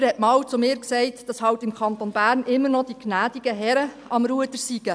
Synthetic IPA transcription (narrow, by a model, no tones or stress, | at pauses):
ɾhɛtmɑːwt͡sʊmɪːɾksɛɪtd̥ɑshɑwtɪmkʰɑntonb̥æːɾnʔɪmːəɾnɔd̥iknæːd̥iɡəɦɛɾə | ɑmɾuədəɾsiɡ̥ə